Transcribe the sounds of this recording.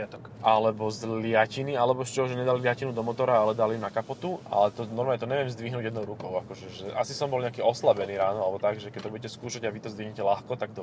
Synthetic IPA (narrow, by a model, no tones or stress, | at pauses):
t̪ɔkʔalɛbɔzlɪacinialɛbɔɛst͡ʃɛɦɔʒɛɲɛd̪alilɪacinud̪ɔmɔt̪ɔɾaalɛd̪alimnakapɔt̪uʔa̰lɛt̪ɔnɔɾmalɲɛt̪ɔɲɛʋɪɛmzd̪ʋiɦnuːɟjɛd̪nɔʊɾukɔʊakɔʒɛʒɛʔa̰sisɔmbɔlɲɛakiːɔslabɛniːɾaːnɔalɛbɔt̪aɡʒɛkɛt̪ɔbuɟɛcɛskuːʃaɟaʋit̪ɔzd̪ʋiɦɲɛcɛlaxkɔt̪aɡ̚d̪ɔ